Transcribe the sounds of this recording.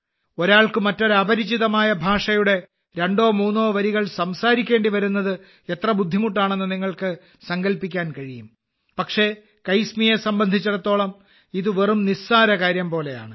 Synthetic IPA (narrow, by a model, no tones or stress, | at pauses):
o̞ɾaːɭkɨmɐtːo̞ɾɐbɐɾit͡ɕːiðɐmaːjɐbʱaːʂɐjuɽe̞ | ɾe̞ɳɖo̞ːmuːnːo̞ːʋɐɾiɣɐɭsɐmsaːɾikʲːe̞ːɳɖiʋɐɾunːɐðɨ | et̪rɐbud̪ʱːimuʈ̬ːaːɳe̞nːɨniŋːɐɭkɨ | sɐŋɡɐlpikʲːaːnkɐɻijum | pɐkʂe̞ | kɐjsmijesɐmbɐnd̪ʱit͡ɕːuɽɐt̪ːo̞ːɭɐm | iðɨʋerumnisaːɾɐkaːɾjɐmpo̞ːle̞ja̰ːɳɨ